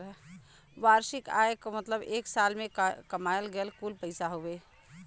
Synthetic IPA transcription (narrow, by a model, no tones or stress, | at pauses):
ʋaːɾʃɪka̰ːjekomət̪ləbeːksaːlmẽkɐmaːjəlɡəlkuːlpəɪsaɦoʋeː